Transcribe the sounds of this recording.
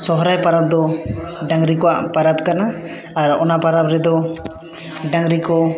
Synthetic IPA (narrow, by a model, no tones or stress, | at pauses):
sɔɦɔɾajpaɾab̚d̪ɔɖãŋɾikɔwa̰ʔpaɾabkanaː | ɾɔ̰napaɾabɾɛd̪ɔ | ɖaŋɾikɔ